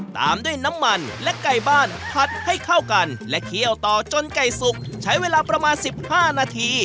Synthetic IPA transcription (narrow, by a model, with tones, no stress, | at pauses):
t̪a̰ː˨˧mdu˥˩əjna˦˥mːa˧nlɛ˦˥ka˨˩jbaː˥˩npʰa˨˩t̪̚ha˥˩jkʰa˥˩wka˧nlɛ˦˥ʔkʰi˥˩əwt̪ɔː˨˩t͡ɕo˧nka˨˩jsu˨˩k̚t͡ɕʰa˦˥jweː˧laː˧pɾa˧maː˧nsi˨˩p̚haː˥˩naː˧t̪ʰiː˧